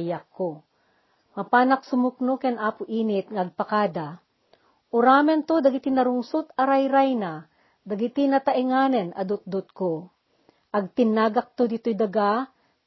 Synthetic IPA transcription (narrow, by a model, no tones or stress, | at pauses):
jakːo | mɐpaːnɐk̚sʊmʊk̚nokanʔaːpʊʔiːnɪt̪̚ŋaɐɡ̚pakaːd̪a | ʔʊɾaːmɛnt̪od̪ɐɡɪt̪ɪnɐɾʊŋsʊt̪ɐɾajɾajna | d̪ɐɡɪt̪ɪnɐt̪ɐʔɪŋaːnɛnɐ̰d̪ʊt̪̚d̪ʊt̪̚ko | ʔɐɡ̚t̪ɪnːaːɡɐk̚t̪od̪ɪt̪ojd̪ɐɡa